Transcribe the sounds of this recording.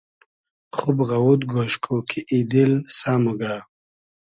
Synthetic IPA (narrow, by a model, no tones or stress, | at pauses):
χubɣawud̪ɡoʃkʰokʰiʔid̪ilsaːmuɡa